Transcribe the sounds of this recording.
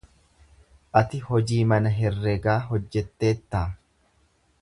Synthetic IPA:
ʔɐt̪ɪhɔd͡ʒiːmɐnɐɦɛrːɛɡaːɦɔd͡ʒːɛt̪ːe̞ːt̪ːaː

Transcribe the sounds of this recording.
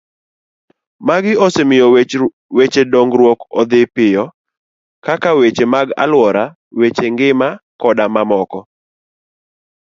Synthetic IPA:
maɡɪɔsemɪjɔ | wet͡ʃedɔŋɡɾwɔkɔd̪ɪpɪjɔ | kakawet͡ʃemaɡa̰lwɔɾa | wet͡ʃeŋɡɪmakɔdamamɔkɔ

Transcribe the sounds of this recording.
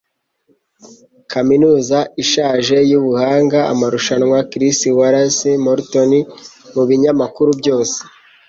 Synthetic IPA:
kʰaminuːzaiʃaːʒe̞juβuhaːŋɡaa̰maɾuʃanŋwakɾisiwaɾasimoɾtonimuβiɲamakuɾubɟo̞ːse̥

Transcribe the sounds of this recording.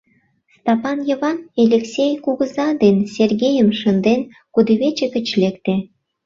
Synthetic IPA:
st̪ɑpɑnjə̆βɑnelʲeksʲejkuɣə̆zɑd̪ensʲerɣʲejəmʃə̆nd̪en | kud̪iβet͡ɕĕkə̆t͡ɕlekt̪e

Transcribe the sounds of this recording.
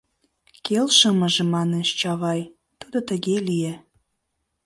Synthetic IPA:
kelʃəmə̆ʒĕmɑnet͡ɕt͡ɕɑβɑj | t̪ud̪ot̪ə̆ɣelije

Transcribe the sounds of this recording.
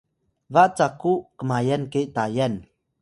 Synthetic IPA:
vaʔt͡sakuʔkəmajɛnkeʔt̪ajɛn

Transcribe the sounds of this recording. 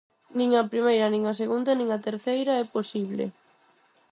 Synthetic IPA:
nĩŋɐpɾimejɾɐnĩŋɐs̬eɣund̪ɐnĩŋɐt̪eɾθejɾɐɛposiβ̞lḛ

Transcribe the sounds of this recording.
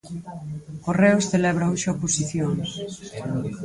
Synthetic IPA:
koreosθelɛβɾauʃaoposiθjoŋ

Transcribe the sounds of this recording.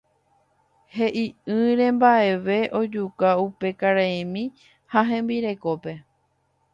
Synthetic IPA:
he̞ʔiɨ̃ɾẽ̞mbaʔe̞ʋe̞ʔo̞d͡ʒukaupe̞kaɾaemĩ | haɦẽ̞mbiɾe̞ko̞pe̞

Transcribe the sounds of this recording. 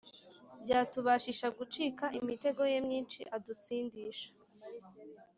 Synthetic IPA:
bɟaːtuβaʃiʃaɡut͡ʃiːkaʔimite̞ɡo̞je̞mɲiːnt͡ʃḭʔadut͡siːndiːʃḁ

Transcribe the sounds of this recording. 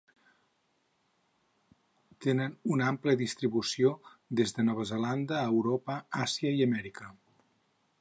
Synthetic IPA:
t̪enənunampləðist̪ɾiβusioðezðənɔβ̞əzəland̪əːwɾopəasiəiəmɛɾikə

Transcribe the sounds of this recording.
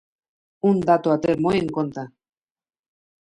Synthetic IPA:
und̪at̪oat̪eɾmoeŋkont̪a

